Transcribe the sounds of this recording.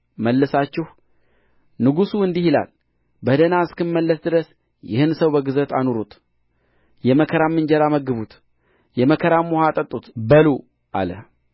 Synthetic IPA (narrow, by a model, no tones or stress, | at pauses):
məlːɨsat͡ʃːɪh | nɨɡusuɨnd̪ihila̰l | bəd̪ənaɨskɨnməlːəsd̪ɨɾəs | jɪ̰hɨnsəwbəɡɨzət̪ʰanuɾut̪ | jɛməkʰəɾamːɨnd͡ʒɛɾaməɡɨβut̪ | jɛməkʰəɾamːohat̪ʼət̪ʼːut̪bəlu | ʔa̰lə̰h